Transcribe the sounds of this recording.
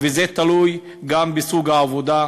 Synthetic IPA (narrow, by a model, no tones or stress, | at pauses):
vezet̪aluj | ɡambesuɡhaːvod̪a